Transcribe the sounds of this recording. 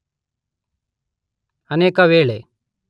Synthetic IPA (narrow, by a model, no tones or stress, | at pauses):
əneːkaʋeːɭe